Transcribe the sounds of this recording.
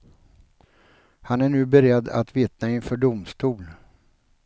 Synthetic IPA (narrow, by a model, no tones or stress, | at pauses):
hanæɳʉ̟ːbɛɾɛd̪ːa̰t̪vɪt̪naɪnfœːɖʊmst̪uːl